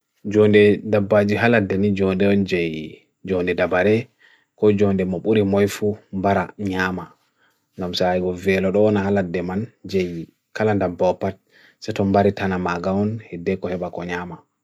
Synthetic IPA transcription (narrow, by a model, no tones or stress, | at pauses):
d͡ʒɔndɛdabːad͡ʒiɦaladɛnid͡ʒɔndɛɔnd͡ʒɛj | d͡ʒɔndɛdabaɾɛ | kɔd͡ʒɔndɛmɔɓuɾimɔjfumbaɾaɲaːma | ŋɡamsajɡɔvɛlɔɗɔnahaladːɛmand͡ʒɛj | kalandambɔpːat̚ | sɛtɔmbaɾitanamaɡaɔnhɛdːɛkɔhɛɓakɔɲaːma